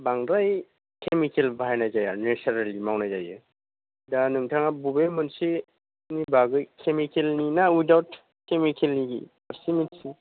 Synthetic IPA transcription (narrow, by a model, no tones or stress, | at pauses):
baŋɾaj | kʰemikelbajnajzajanesaɾalimawnajzajɯ | danɯŋtʰaŋabubemɯnsi | nibaɡɯkʰemikelninawidawt | kemikʰelniɡḭ | aɾsimitsi